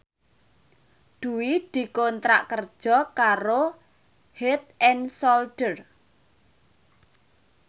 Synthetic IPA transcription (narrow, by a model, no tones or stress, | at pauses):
ɖ̪̥ṳwid̪̥i̤kont̪ɾaʔkərd̥ʒ̥ɔ̤kaɾo | het̪̚ɛnsɔlɖ̥ər